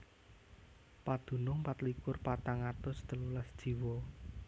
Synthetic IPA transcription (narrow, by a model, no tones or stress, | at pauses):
pad̪̥ṳnʊŋpat̪likʊrpat̪aŋat̪ʊst̪əlulasd̥ʒ̥i̤wɔ